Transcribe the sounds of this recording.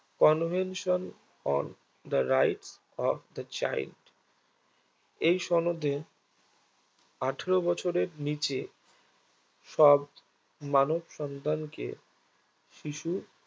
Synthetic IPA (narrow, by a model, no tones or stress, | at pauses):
kɔnvenʃon | ɔ̰n | d̪əɾajʈs | ɔfd̪ət͡ɕa̰j̰lɖ | ejʃɔnod̪ʱe | aʈʰeɾobɔt͡ɕʰoɾeɾnit͡ɕe | ʃɔb̚ | manobʃɔnd̪ʱankḛ | ʃiʃu